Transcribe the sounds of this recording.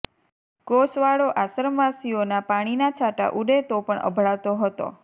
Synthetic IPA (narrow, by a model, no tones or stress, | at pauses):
ɡosʋaɽoʔasəɾmʋasionapaɽ̃inat͡ʃʰaʈa̰ʔuɖet̪opəɳʔə̰bʱɽaʋt̪oɦət̪o̰